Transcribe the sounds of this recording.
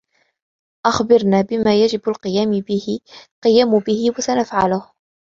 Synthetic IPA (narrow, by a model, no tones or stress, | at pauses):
ʔaxbɪɾnaːbɪmaːjad͡ʒɪbalqɨjaːmɪbɪhɪqɨjaːmʊbɪhɪwasanafʕalʊh